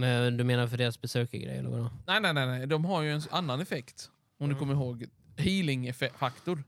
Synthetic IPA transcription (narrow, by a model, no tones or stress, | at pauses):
mɛnd̪ɵmeːnaɾfœɖeːɾasbɛsøːkaɡɾɛ̰jːɛ̰lːəva̰d̪ɔnɛɪnɛɪnɛɪnæɪd̪ɔmɦaɾjɵɛnanːanɛfɛkt̪ | ɔmd̪ɵkʰɔmːəɾɪɦoːɡ | hiːlɪŋfɛfakt̪ʊɾ